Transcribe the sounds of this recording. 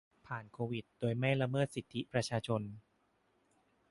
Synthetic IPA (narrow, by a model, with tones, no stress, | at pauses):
pʰaː˨˩nkʰoː˧wi˨˩t̪̚doː˧jma˥˩jɾa˧mɤː˥˩t̪̚si˨˩t̪ʰːi˦˥pɾa˧t͡ɕʰaː˧t͡ɕʰo˧n